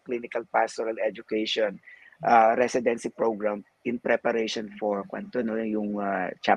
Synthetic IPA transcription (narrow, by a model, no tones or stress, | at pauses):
klinɪkɐlpast̪oɾɐlɛd͡ʒʊkɛjʃon | ʔaɾɛsɪd̪ɛnsipɹoɡɹam | ʔɪnpɾɛpɐɾɛʃonfoɹkwɐ̰nt̪onojʊŋat͡ʃa